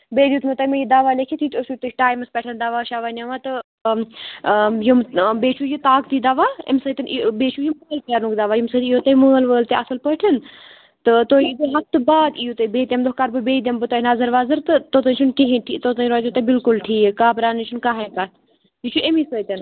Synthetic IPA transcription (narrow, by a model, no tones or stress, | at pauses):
beːd̪juːt̪mɐt̪ɐmejid̪aʋaːlekʰit̪ʰit̪ot͡ʃʰut̪ɨʈaːjmɨspɐʈʰɐnd̪aʋaːʃaʋanʲɐʋat̪ɨ | jumbeːt͡ʃʰujit̪aːkt̪id̪ɐʋaːḛmsət̪ɐnbeːt͡ʃʰujiməːlkjaɾnukd̪ɐʋaːjimsət̪ijot̪ɐjməːlʋəːlt̪eɐsɨlpəʈʰɐn | t̪ɨt̪ojit̪ɨɦɐft̪ɨbaːd̪ijut̪ɐibeːt̪ʲɐmd̪oɦkaɾbɨbeːd̪ʲembɨt̪oɦnɐzɐɾʋaːzɨɾt̪ɨt̪ot̪ɐnʲt͡ʃʰunkeɦẽʈʰit̪ot̪ɐnɾoːt̪it̪ɐbilkulʈʰiːkaːpɾaːnɨnt͡ʃʰunkaɦɐkat̪ | jit͡ʃʰuʔemisəːt̪ʲɐn